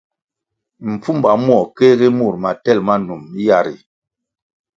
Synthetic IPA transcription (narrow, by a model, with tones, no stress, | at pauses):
m̩˨p͡fu˦mba˨˦mwɔ˨kɛ˦ɣi˦mu˦˨ɾma˨tɛ˦˨lma˦nu˨mi˦ja˨ɾḭ˨